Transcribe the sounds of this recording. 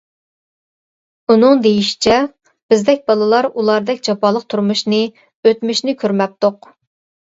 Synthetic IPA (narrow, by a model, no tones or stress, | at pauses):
unɨŋd̪ejiʃi̥t͡ʃʰɛ | b̥ɪzd̪ɛk̚ʲbɑlˠɨlˠɑɾulˠɑɾd̪ɛkʲd͡ʒɑpʰɑːlˠəq̚t̪ʰuɾmuʃnɨ | øt̪myʃnɪkʲʰøɾmɛp̚t̪oq